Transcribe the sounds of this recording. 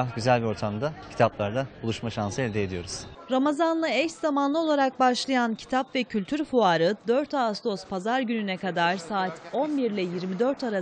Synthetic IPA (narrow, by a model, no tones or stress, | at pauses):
aɟyzælʲbio̞ɾt̪ʰamd̪acʰi̥t̪ʰaplˠaɾd̪abulˠuʃmaʃansɯɛld̪ɛed̪ijo̞ɾuz̥ | ɾamazanlˠɯɛcszamanlˠɯo̞lˠaɾak̚baʃlˠajancʰi̥t̪ʰapvɛcʰylʲt̪ʰyɾfuaɾɯd̪øɾt̪ast̪ʰo̞spʰazaɾɟynynɛkad̪aɾsaːt̪ʰonbiɾlʲɛjiɾmid̪øɾt̪ʰaɾa